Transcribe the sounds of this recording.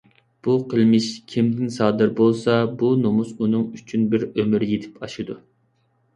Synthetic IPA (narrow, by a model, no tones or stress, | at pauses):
b̥uqʰəlˠmɪʃkʲʰimd̪ɪnsɑːd̪ɨɾbolˠsɑbunomusunɨŋyt͡ʃʰynbɪɾømyɾɪjet̪ʰɪ̥pʰɑʃɨd̪u